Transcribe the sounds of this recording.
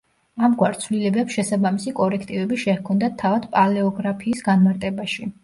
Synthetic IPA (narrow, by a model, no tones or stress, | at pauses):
amɡwaɾt̪sʰvlilɛbɛpsʃɛsabamisikʼɔɾɛkʰt̪ʼivɛbiʃɛhkʰɔnd̪at̪ʰːavad̪̥pʼalɛɔɡɾapʰiːsɡanmaɾt̪ʼɛbaʃi